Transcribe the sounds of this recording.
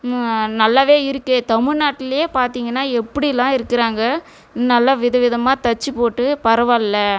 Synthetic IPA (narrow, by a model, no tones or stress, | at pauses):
nɐlːaːʋeːɪɾɯkːɯt̪ɐmɪɻnaːʈːɪlɐjeːpaːɾt̪iːŋɡɐnːaːɛpːɐɽilːãːɪɾɯkːɪɾaːŋɡɐ | nɐlːaːʋɪðɐʋɪðɐmaːt̪ɐt͡ʃːɯpoːʈːɯpɐɾɐʋɐɪlːɐ